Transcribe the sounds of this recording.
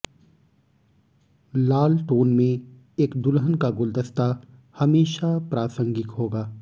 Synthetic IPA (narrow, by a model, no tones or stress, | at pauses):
laːlʈoːnmẽ | eːkd̪ʊlɦənkaɡʊld̪əst̪ahɐmeːʃapɾaːsə̃ŋɡɪk̪ɦoːɡaː